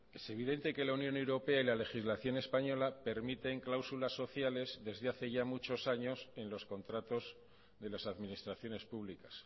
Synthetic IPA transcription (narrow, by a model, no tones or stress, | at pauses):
e̞se̞β̞iðe̞nt̪e̞ke̞launjõnewɾo̞pe̞ailale̞xizlaθjo̞ne̞spaɲo̞lape̞ɾmit̪e̞ŋklawsulasːo̞θjale̞zðe̞zðeaθe̞ʝamut͡ʃo̞saɲo̞se̞nlo̞sko̞nt̪ɾat̪o̞z | ðe̞lasaðminist̪ɾaθjo̞ne̞spuβ̞likḁs